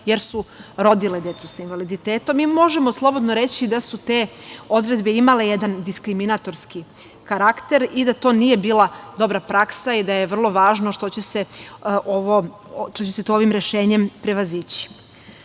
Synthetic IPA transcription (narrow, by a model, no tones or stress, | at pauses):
je̞ɾsuɾo̞d̪iled̪je̞t̪susainʋalid̪it̪eːt̪omːiːmo̞ʒe̞mo̞slˠo̞bo̞d̪noɾe̞t͡ɕid̪asut̪e̞ːo̞d̪ɾe̞d̪be̞imale̞jed̪and̪iskɾiminat̪o̞ɾski | kaɾakt̪e̞ɾid̪at̪o̞ːnije̞biːlˠad̪o̞bɾapɾaksaid̪ajeʋr̩lˠo̞ʋaːʒnoʃt̪o̞t͡ɕe̞seʔoʋo | t̪ot͡ɕese̞t̪ooʋimɾe̞ʃe̞ːɲe̞mpɾeʋazit͡ɕi̥